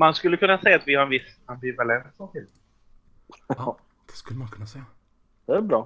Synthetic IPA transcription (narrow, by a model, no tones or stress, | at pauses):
manskɵlːəkʰɵnːasɛjːat̪vɪhaɾɛnvɪsambɪvalɛnsɔmt̪ɪl | d̪̥ɛ̥skɵlːəmankʰɵnːasɛja | d̪̥ɛæbɾɑː